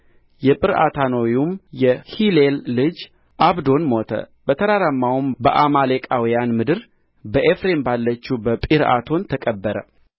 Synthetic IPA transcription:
jɛpʼɨɾʔa̰t̪ʰanowjumjɛhilelːɨd͡ʒ | ʔaβd̪o̞nmo̞t̪ʰə̰bət̪ʰəɾaɾamːawumbəʔamalekʼawijanmɨd̪ɨɾ | bəʔefɾe̞mbalːət͡ʃːubəpʼiɾa̰t̪ʰo̞nt̪ʰəkʼəbːəɾə

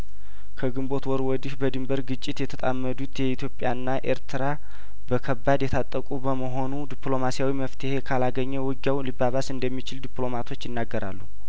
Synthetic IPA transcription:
kʰəɡɨmbo̞t̪wɔɾwɔd̪ɨʃbəd̪ɨmbəɾɡɨt͡ʃʼːɪt̪jɛt̪ʰət̪ʼamːəd̪ut̪jɛit̪ʰjo̞pʼjaɨnːaʔeɾt̪ʰɨɾa | bəkʰəbːad̪jɛt̪ʰat̪ʼːəkʼubəməɦo̞nud̪iplo̞masijawiməft̪ʰɨhe̞kʰalaɡəɲːɛwɨɡjawlibːaβasɨnd̪əmːit͡ʃɪld̪iplo̞mat̪ʰo̞t͡ʃːjɪnːaɡːəɾʔa̰lːu

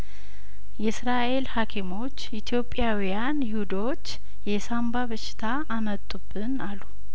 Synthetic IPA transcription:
jɛsɾaʔe̞lhakʰimo̞t͡ʃːʔit̪ʰjo̞pʼːjawijanhɪwud̪o̞t͡ʃː | jɛsambaβəʃɪ̥t̪ʰaʔːmət̪ʼːubːɨnalu

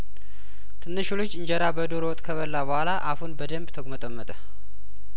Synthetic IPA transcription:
t̪ʰɨnːɨʃulot͡ʃːɨɲd͡ʒɛɾabəd̪oɾowɔt̪ʼkʰəβəlːabəhʷwʷalaʔafunbəd̪əmbt̪ʰəɡmət̪ʼəmːət̪ʼə

